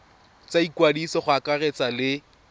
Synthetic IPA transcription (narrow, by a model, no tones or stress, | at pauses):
t͡saikwadisɔχʊakaret͡salɪ